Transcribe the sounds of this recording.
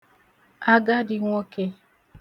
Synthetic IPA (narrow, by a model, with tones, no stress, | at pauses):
a˦ɡa˦di˦ŋɔ˦ke˦